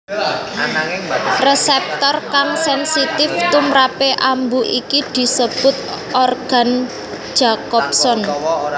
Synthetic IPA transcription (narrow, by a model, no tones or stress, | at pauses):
resɛp̚t̪ɔrkaŋsɛnsit̪ɪft̪umɾapeʔambuʔikid̪̥i̤səb̥ʊ̤t̪̚ | ɔrɡ̥a̤n̥ | ʒ̥a̤kɔp̚sɔn